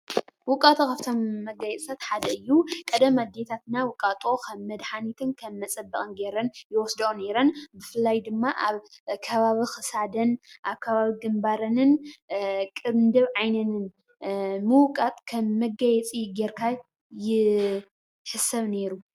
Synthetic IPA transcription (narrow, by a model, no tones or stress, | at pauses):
wʊkʼat̪ʼokʰaβt̪ʰomːɐɡajɛt͡sʼsat̪ħad̪ɐɨjːukʼɐd̪ɐmad̪et̪ʰat̪nawʊkʼːat̪ʼokʰɐmːɐd̪ħanit̪ʰɨnkʰɐmːɐt͡sʼɐbːɐkʼɨnɡeɾɐnjɪwɔsd̪ɐone̞ɾɐnbɨfɨlːajd̪ɨmːaʔaβkʰɐβaβixɨsad̪ɐnʔaβkʰɐβaβiɡɨmbaɾɐnɨn | kʼɨβnd̪ɨβʕajnɐnɨn | mɨwkʼat̪ʼkʰɐmːɐɡajɛt͡sʼijɪɡeɾkʰa | jɪ | ħɨsɐβne̞ɾu